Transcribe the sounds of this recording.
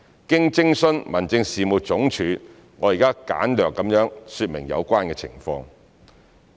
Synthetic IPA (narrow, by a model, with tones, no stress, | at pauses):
kɪ˥ŋt͡sɪ˥ŋsɵ˥nmɐ˨˩nt͡sɪ˧ŋsiː˨mu˨˩t͡sʊ˨˥ŋt͡ʃʰyː˨˥ | ŋɔː˨˧jiː˨˩kaː˥ka̰ː˨˥nlœː˨kːɐ˨˥mjœː˨˥ŋsyː˧t̚mɪ˨˩ŋjɐ̰˨˧wkʷaː˥nkɛ˧t͡sʰɪ̰˨˩ŋfɔ̰ː˧ŋ